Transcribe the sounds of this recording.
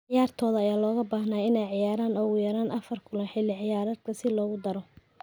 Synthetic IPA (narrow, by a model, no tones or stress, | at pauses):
ʕʕɪjaːrt̪ʰɔːðɐɐjaːlɔːɣɐbaːhnaːɪnɛjʕɪjaːɾaːnɔːɣʊjɐɾaːnʔɐfɐrkʰʊlɐnħɪlːɪʕɪjaːɾaːd̪̚kʰɐsɪlɔːɣʊd̪ɐɾɔ